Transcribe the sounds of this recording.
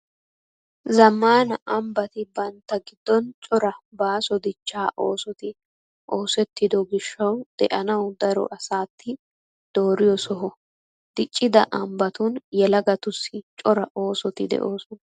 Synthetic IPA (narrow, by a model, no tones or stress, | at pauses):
zɐmːaːnɐʔɐmbɐt̪ɪbɐnt̪ːɐɡɪd̪ːɔnt͡ʃʼɔɾɐbaːsɔd̪ɪt͡ʃːaːʔo̞ːsɔt̪ɪ | ʔo̞ːsɛt̪ːɪd̪ɔɡɪʃːɐwd̪̥ɛ̰ʔɐnɐwd̪ɐɾɔ̰ʔɐsaːt̪ʰːɪ | d̪̥o̞ːɾɪjɔsɔɦɔ | d̪̥ɪt͡ʃʼːɪd̪ɐ̰ʔɐmbɐt̪ʊnjɛlɐɡɐt̪ʊsːɪt͡ʃʼɔɾɐʔo̞ːsɔt̪ɪd̪ɛ̰ʔoːsɔnɐ